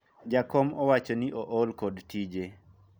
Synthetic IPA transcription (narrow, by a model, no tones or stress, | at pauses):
d͡ʒakɔmɔwat͡ʃoniʔoʔɔlkodtid͡ʒe